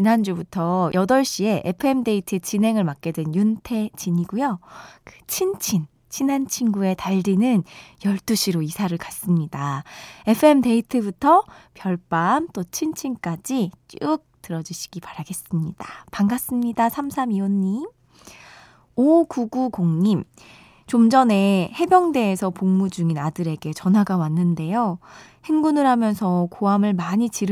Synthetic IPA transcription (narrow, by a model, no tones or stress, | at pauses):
t͡ɕinand͡ʑubutʰʌjʔʌdʌɭɕ͈ie̞ʔepʰɯe̞mde̞itʰɯt͡ɕine̞ŋɯɭmak͈e̞dwenjuntʰe̞t͡ɕʰiɲiɡujokɯt͡ɕʰint͡ɕʰin | t͡ɕʰinant͡ɕʰinɡue̞taʎdinɯnjʌɭt͈uɕʰiɾoisʰaɾɯɭkas͈ɯmɲidae̞pʰɯe̞mde̞itʰɯbutʰʌpjʌɭp͈amt͈ot͡ɕʰint͡ɕʰink͈ad͡ʑit͡ɕ͈ɯk̚tɯɾʌd͡ʑiɕʰi̥ɡ̥ipaɾaɡe̞s͈ɯmɲid̥apaŋɡas͈ɯmɲidasʰamsʰamionːim | okuɡukoŋɲim | t͡ɕomd͡ʑʌne̞he̞bjʌŋde̞ːsʰʌpoŋmud͡ʑuŋinadɯɾe̞ɡe̞t͡ɕʌnɦaɡawanːɯnde̞joheŋɡunɯɾɦamjʌnsʰʌkoamɯɭmaɲit͡ɕiɾ